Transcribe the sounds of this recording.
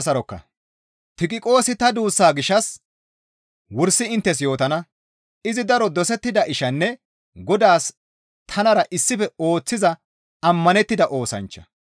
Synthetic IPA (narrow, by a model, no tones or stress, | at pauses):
sɐɾɔkːɐ̰ | t̪ɪkʼɪkʼo̞ːsɪt̪ɐd̪uːsːaːɡɪʃːɐs | wʊɾsːɪɪnt̪ːɛs̬jo̞ːt̪ɐnɐ | ɪzɪd̪ɐɾɔd̪ɔsɛt̪ːɪd̪ɐʔɪʃɐnːɛ | ɡɔd̪aːs | t̪ʰɐnɐɾɐʔɪsːɪfɛo̞ːt͡sːɪzɐ | ɐmːɐnɛt̪ːɪd̪ɐʔo̞ːsɐ̰nt͡ʃːɐ̰